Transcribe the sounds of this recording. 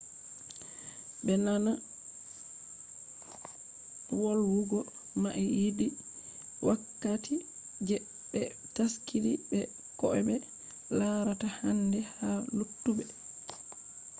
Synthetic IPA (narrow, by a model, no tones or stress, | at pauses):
bɛnana | wɔlwuɡɔ | maʔɛjidi | wʔakːatʰi | d͡ʒɛ | bɛ | taskiɾibɛ | kɔʔɛbɛ | laɾatahandɛhalutːubɛ